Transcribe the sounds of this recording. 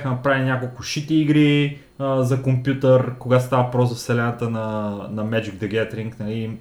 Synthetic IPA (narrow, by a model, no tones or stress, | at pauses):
xənɐpɾaviinʲakolˠkʊʃit̪iːɡɾi | zɐkompʲjut̪əɾkoɡat̪ost̪avəpɾɔszɐfsɛlɛnɐt̪ənɐnɐmɛd͡ʒiɡ̚d̪ɛɡʲɛt̪ɾiŋknɐli